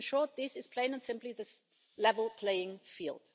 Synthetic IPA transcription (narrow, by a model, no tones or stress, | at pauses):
nʃɔɹt̪̚ðɪsɨz̥pʰl̥ẽɪ̃nə̃nsɪ̃mpliðɨ | lɛvəl̩ˠpʰl̥eɪɪ̃ŋfḭːlˠd̥